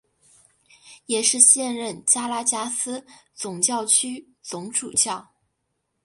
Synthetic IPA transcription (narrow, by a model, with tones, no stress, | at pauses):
jɛ˨˩ʂɻ̩˥˧ɕjɛ˥˧nɻə˥˩nt͡ɕja˥la˥t͡ɕja˥sɹ̩˥t͡sʊ˨˩ŋt͡ɕjɑ˥˩ʊt͡ɕʰy˥ | t͡sʊ˧˥ŋʈ͡ʂṵ˨˩t͡ɕjɑ˥˩ʊ